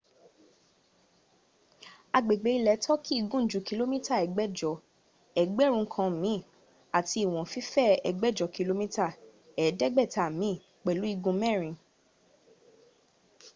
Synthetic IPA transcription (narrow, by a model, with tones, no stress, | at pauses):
a˧ɡ͡be˨ɡ͡be˨˦i˧lɛ˨˦tɔ˦kʰi˦i˦˧˨ɡũ˦˨˦d͡ʒu˨˦ki˧lo˦mĩ˦ta˦˨ɛ˨ɡ͡bɛ˦d͡ʒɔ˧˨ | ɛ˨˦ɡ͡bɛ˦˨ɾ̃ũ˧˦kʰã˧˨mĩ˨˦˨ | a˨ti˧˦i˨w̃ɔ̃˨fi˦fɛ˦˨ɛ˧ɡ͡bɛ˦˨d͡ʒɔ˨ki˧lo˦mĩ˦ta˦˨ | ɛ˨˦dɛ˦ɡ͡bɛ˦˨ta˨mĩ˨˦˨ | k͡pɛ˨lu˨˦i˧ɡũ˧mɛ̃˦˨ɾ̃ĩ˧